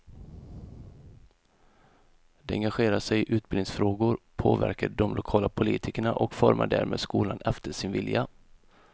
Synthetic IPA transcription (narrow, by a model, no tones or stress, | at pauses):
d̪̥ɛɛŋɡaɧeːɾaʂɛjʔʉ̟ːt̪bɪlnɪŋsfɾoːɡʊɾpʰoːvæ̰ɾkaɖɔmlʊkʰɑːlapʰʊliːt̪ʰɪkəɳaʔɔkfɔɾmʔaɖæ̰ːɾmʔeːd̪skuːlanɛft̪əʂɪnvɪlja